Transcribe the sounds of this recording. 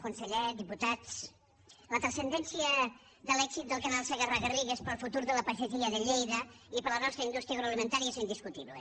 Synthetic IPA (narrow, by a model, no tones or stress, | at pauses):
kunsəʎɛd̪iput̪at͡s | lət̪ɾəsənd̪ɛnsiə | ðəlɛkzit̪̚d̪əlˠkanalˠseɣərəɣəriɣespəlˠfut̪uɾðələpəʃət̪iəðəʎejðəipəɾlənɔst̪ɾəind̪ust̪ɾiaɣɾoalimənt̪aɾiəsind̪iskut̪iβlḛ